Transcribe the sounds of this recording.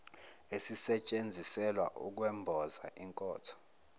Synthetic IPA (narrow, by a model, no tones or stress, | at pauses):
esisɛt͡ʃʼend͡zʱisɛlwa̰ʔṵk̬wɛmbʱɔzaʔiŋkʼɔːtʰɔ̥